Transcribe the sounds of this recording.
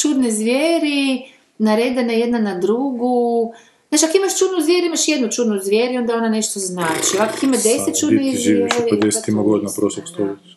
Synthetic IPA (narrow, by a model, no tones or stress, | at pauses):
t͡ʃud̪nezʋʲjeːɾi | naɾed̪anajed̪nanad̪ɾuɡu | znat͡ʃiakoimaʃt͡ʃuːd̪nuzʋjeɾuimaʃjed̪nut͡ʃud̪nuzʋʲjeɾio̞nd̪ao̞naneʃt̪oznaːt͡ʃioʋakokimad̪eset̪̚t͡ʃuːdnizeɾd̪est̪imaɡod̪inapɾoslˠokst̪oli